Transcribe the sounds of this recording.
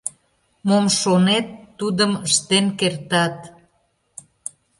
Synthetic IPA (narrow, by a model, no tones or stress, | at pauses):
momʃonet̪ːud̪əməʃt̪enkert̪ɑt̪